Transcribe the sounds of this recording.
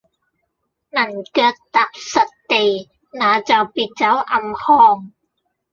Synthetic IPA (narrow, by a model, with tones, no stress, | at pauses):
nɐ˨˩nkœː˧k̚t̪aː˨˥p̚sɐ˨t̚t̪e˨j | naː˨˧t͡sɐ˨wpiː˨t̚t͡sɐ˨˥wʔɐ˨˧mhɔː˧ŋ